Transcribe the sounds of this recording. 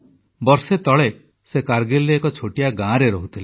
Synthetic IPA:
bɔɾset̪ɔɭe | sekaɾɡelɾeːkɔt͡ʃʰoʈijaɡãɾeɾɔɦut̪ʰile

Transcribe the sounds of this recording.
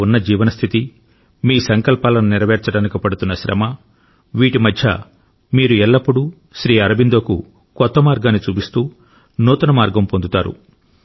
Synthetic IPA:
unːɐd͡ʒiːʋɐnɐst̪ʰit̪i | miːsɐŋkɐlpaːlɐnuniɾɐʋɛːɾt͡ʃɐɽaːnikipɐɽut̪unːɐʃɾɐ̰mɐ | ʋiːʈimɐd̪ʱjɐ̰ | miːɾuɛlːɐpːuɽu | ʃɾiːɐɾɐbind̪oːkṵ | kɔt̪ːɐmaːɾɡaːnːit͡ʃuːpist̪uː | nuːt̪ɐnɐmaːɾɡɐmpo̞nd̪ut̪aːɾṵ

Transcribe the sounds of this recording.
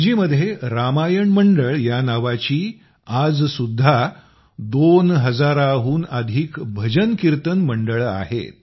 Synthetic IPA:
d͡ʑiːməd̪ʱːjeɾamajəɳməɳɖəɭjanaʋat͡ɕiː | ad͡zsud̪ʱːa | d̪onɦəd͡zaɾaɦuːnəd̪ʱiːkbʱəd͡ʑənkiɾt̪ənməɳɖəɭa̰ɦḛt̪

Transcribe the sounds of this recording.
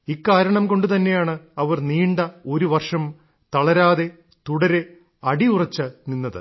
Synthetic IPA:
ikːaːɾɐɳɐmko̞ɳɖɨt̪ɐnːe̞jaːɳɨɐʋɐrniːɳɖɐo̞ɾuʋɐrʂɐm | t̪ɐɭɐɾaːðe̞ | t̪uɽɐɾe | ɐɽiurɐt͡ɕːɐninːɐðɨ̰

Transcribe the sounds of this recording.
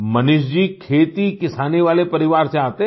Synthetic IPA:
mɐnʊʃd͡ʒiːkʰeːt̪ikɪsaːneʋaːlepɐɾɪʋaːɾsẽaːt̪e

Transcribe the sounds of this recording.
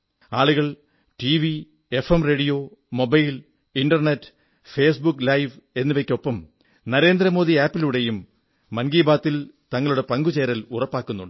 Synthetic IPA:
aːɭuɣɐɭ | ʈiːʋi | e̞femre̞ːɽijo̞ːmo̞bɐjl | inɖɐrnetːɨ̥ | feːsbukːlɐjʋe̞nːuʋekʲːo̞pːɐm | nɐɾe̞ːnd̪ɾɐmo̞ːðiaːpːiluɽe̞jumː | ɐnɡiːbaːt̪ːilt̪ɐŋːɐɭuɽe̞pɐŋɡut͡ɕeːɾɐlurɐpːaːkːunːuɳɖɨ

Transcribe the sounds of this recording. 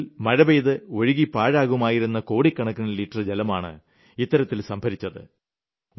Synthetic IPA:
lmɐɻɐbejðɨo̞ɻiɣipaːɻaːɣumaːjiɾunːɐko̞ːɽikːɐɳɐkːɐnliʈːrɨd͡ʑelɐmaːɳɨ̰ | it̪ːɐɾɐt̪ːilsɐmbʱɐɾit͡ɕːɐðɨ̰

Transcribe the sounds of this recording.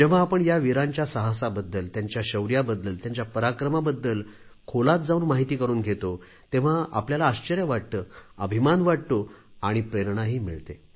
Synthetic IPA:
d͡ʑeʋ̤aːpəɳjaʋiɾãɲt͡ɕjasəɦasabəd̪ːəlt̪jaɲt͡ɕjaɕəwɾjabəd̪ːəlt̪jaɲt͡ɕjapəɾakɾəmabəd̪ːəlkʰolat̪̚d͡zauːnmaɦit̪iːkəɾuːnɡʱet̪o | t̪ẽʋ̤aa̰pljalaːɕt͡ɕəɾjəʋaɽ̚t̪əːəbʱimanʋaɽ̚t̪oaɽ̃ipɾeɾɳaɦiːmiɭt̪e

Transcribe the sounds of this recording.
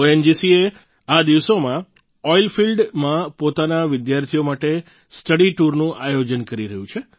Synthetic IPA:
oend͡ʒisie | ad̪iʋsomã | ɔilfilɖmãpot̪anaʋɪd̪jaɾt̪ʰijomaʈe | sʈəɽiʈuɾnũʔajod͡ʒənkəɾiɾəɦjũt͡ʃʰe

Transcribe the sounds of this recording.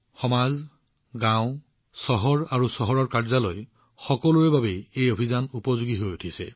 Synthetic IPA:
xɔmaz | ɡãwʊ̃ | sɔɦɔɹaɹusɔɦɔɹɔɹkaɹzalo̰j | xɔkɔluɛbabɛejobʱizanupɔzuɡiɦojutʰisɛ̰

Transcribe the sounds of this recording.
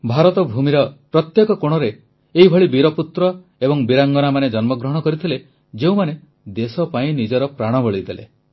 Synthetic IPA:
bʱaɾɔt̪ɔbʱumiɾɔpɾɔt̪jekɔkoɽ̃ɔɾe | eɦibʱɔɭibiɾɔput̪ɾɔ | ebɔŋbiɾaŋɡɔnamaned͡ʒɔnmɔɡɾɔɦɔ̃ɽ̃ɔkɔɾit̪ʰile | d͡ʒeũmane | d̪esɔpaĩnid͡ʒɔɾɔpɾaɽ̃ɔbɔɭid̪elḛ

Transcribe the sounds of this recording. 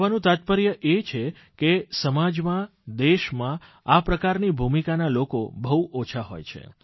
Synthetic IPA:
ʋanũt̪at̪̚pəɾjəʔet͡ʃʰe | kesəmad͡ʒmã | d̪eʃmã | apɾəkaɾnibʱumikanalokobəɦuʔot͡ʃʰaɦo̰jt͡ʃʰḛ

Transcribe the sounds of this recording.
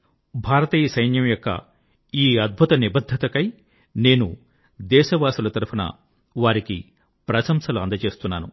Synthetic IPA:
bʱaːɾɐt̪iːjɐsɐjnjɐmjokːɐ̰ | iːɐd̪̚bʱut̪ɐnibɐd̪ʱːɐt̪ɐkɐj | ne̞ːnu | d̪ɛːʃɐʋaːsulɐt̪ɐɾupʰɐnɐ̰ | ʋaːɾiki | pɾɐsɐmsɐluɐnd̪ɐt͡ʃe̞ːst̪unːaːnu

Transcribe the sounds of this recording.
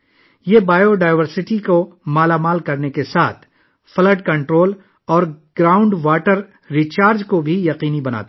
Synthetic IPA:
jebaːjoɖaːɪʋəɾsɪʈikomaːlamaːlkɐɾnekesaːt̪ʰ | fɐləɖkɐ̃ɳʈɾoːl | ɔːɾɡ̥ɾaːʊ̃ɳɖʋaːʈəɾː | iːt͡ʃaːɾd͡ʒkobʱijɐqiːnibɐna̰ːt̪

